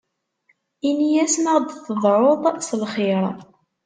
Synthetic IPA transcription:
inijæsməʁd̪θəðˤɾoðˤsəlχɪɾˤ

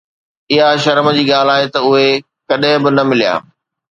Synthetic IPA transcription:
ɪɦaʃɐɾməd͡ʑiːɠaːl̤aːɦet̪ɐʊɦe | kɐɗɦɪ̃bɪnɐmɪlija̰ː

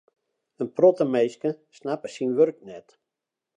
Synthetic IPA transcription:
ənprɔtəmejskəsnapəsinʋørk̚nɛt

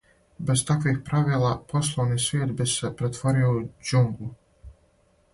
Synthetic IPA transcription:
best̪akvixpɾaviɛlˠaːpɔslˠɔwnisviɛt̪bespɾɛt̪fɔɾɛwud͡ʒuŋɡlˠu

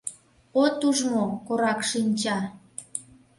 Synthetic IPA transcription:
ot̪uʒmokoɾɑkʃinʲt͡ɕɑ

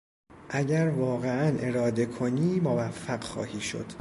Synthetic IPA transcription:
ʔæɟæɾvɒːɣe̞ænʔe̞ɾɒːd̪e̞kʰoniːmovæfːæɢxɒ̰ːhiːʃo̰d̪̥

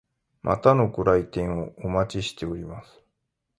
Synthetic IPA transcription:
mʔa̰t̪ano̞koɾait̪ẽ̞ɰ̃oomat͡ɕiɕi̥t̪e̞o̞ɾʲimasɨ̥

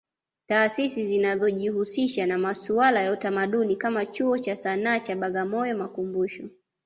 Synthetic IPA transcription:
taːsisizinazɔʄihusiʃanamasualajautamaɗunikamat͡ʃuɔt͡ʃasanaːt͡ʃaɓaɠamɔjɔmakumbuʃɔ

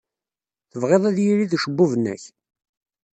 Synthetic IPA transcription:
θəvʁeðˤæðjiɾiðʃəbːuvənːæ̰ç

